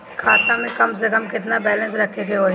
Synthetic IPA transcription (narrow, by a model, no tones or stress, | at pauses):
kʰaːt̪ãmẽkəms̬əkəmkɪt̪̬nabɛːlə̃nsɾəkʰːekeɦoː